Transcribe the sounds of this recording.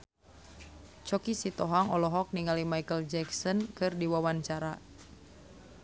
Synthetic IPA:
t͡ʃɔkisit̪ɔɦaŋɔlɔɦɔk̚niŋalimaikəld͡ʒɛksɔnkɨrdiwawaɲt͡ʃaɾa

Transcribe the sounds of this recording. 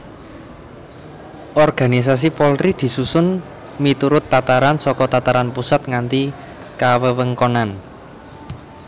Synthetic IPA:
ʔɔrɡ̥a̤nis̬as̬ipɔlɾid̪̥i̤susʊn | mit̪uɾʊt̪ːat̪aɾansɔkɔt̪at̪aɾanpusat̪̚ŋant̪i | kawəwəŋkɔnan

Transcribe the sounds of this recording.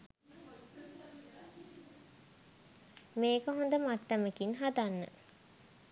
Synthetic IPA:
meːkəɦond̪əmaʈːəməkinɦad̪anːə̰

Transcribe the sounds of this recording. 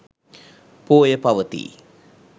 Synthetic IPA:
poːjəpaʋət̪ḭ

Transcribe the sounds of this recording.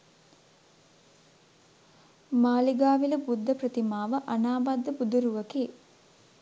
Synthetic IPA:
maːliɡaːʋiləbud̪ʱːəprət̪imaːʋəʔanaːbad̪ːəbud̪uɾuʋəkeː

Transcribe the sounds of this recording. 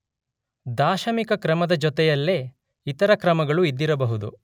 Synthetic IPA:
d̪aːʃɐmikɐkɾɐmɐd̪ɐd͡ʒɔt̪ɛjɐlːeː | it̪ɐɾɐkɾɐmɐɡɐɭuid̪ːiɾɐbɐɦud̪ṵ

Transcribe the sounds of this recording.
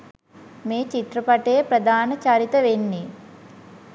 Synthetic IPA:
meːt͡ʃit̪ɾɐpaʈejpɾɐd̪ʱaːnɐt͡ʃaɾit̪ɐʋenːi

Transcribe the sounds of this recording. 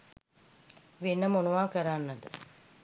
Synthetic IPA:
ʋenːəmonuʋaːkɐɾaːnːɐd̪ə

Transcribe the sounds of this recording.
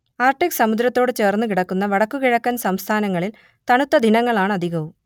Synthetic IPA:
aːrʈiksɐmud̪ɾɐt̪ːo̞ːɽɨt͡ɕe̞ːrnːɨkiɽɐkːunːɐʋɐɽɐkːukiɻɐkːɐnsɐmst̪ʰaːnɐŋːɐɭil | t̪ɐɳut̪ːɐd̪ʱinɐŋːɐɭaːɳɨɐd̪ʱiɣɐʋum

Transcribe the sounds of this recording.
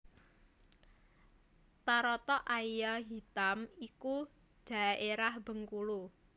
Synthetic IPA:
t̪aɾɔt̪ɔʔaijaɦit̪amiku | d̪̥a̤ʔeɾahb̥ə̤ŋkulu

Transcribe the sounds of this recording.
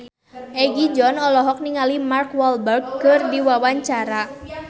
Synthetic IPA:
ʔɛɡid͡ʒɔnɔlɔɦɔk̚niŋalimarkwɔlbərɡ̚kɨrdiwawaɲt͡ʃaɾa

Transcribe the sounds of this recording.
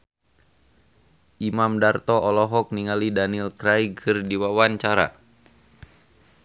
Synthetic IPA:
ʔimamdart̪ɔɔlɔɦɔk̚niŋalidanilkɾajkʰɨrdiwawant͡ʃaɾa̰

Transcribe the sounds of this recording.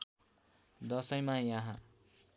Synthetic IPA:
d̪ʌsʌjmãjaɦã

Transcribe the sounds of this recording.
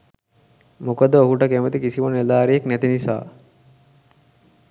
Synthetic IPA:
mukəd̪əokuʈəkemət̪ikisimunelaːɾijeknæt̪inisa̰ː

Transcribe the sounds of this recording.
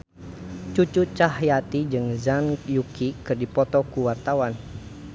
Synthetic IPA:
t͡ʃut͡ʃut͡ʃaɦjat̪id͡ʒɨŋzanjukikɨrdipɔt̪ɔkuwart̪awan

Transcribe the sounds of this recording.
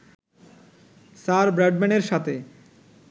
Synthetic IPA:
saɾbɾɛɖmɛneɾʃat̪ʰe

